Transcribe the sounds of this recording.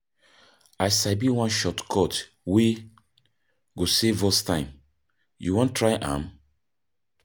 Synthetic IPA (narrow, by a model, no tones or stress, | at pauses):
ajsabiwãnʃɔtkʰɔt | we | ɡosevɔstãɪ̃m | jṵwɔ̃ntʰːɹaɪʔã̰m